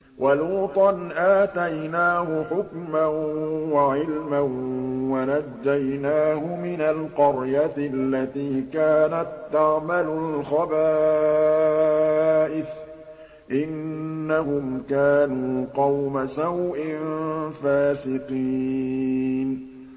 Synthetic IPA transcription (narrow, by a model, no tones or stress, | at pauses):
wʔaluːt̪ˤɑnʔaːt̪ajnaːhʊħʊkmanwaʕɪlmanwanad͡ʒːajnaːɦʊmɪnalqɑɾjat̪lːat̪iːkaːnat̪ːaʕmalʊlxabaː | ʔɪθ | ʔɪnːaɦʊmkaːnuːqɑwmasawʔɪnfaːsɪqiː | n